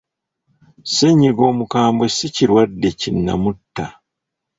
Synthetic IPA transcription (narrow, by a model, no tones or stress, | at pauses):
seɲːiɡo̞ːmukaːmbesiciɾwadːe̞cinːa̰mutːa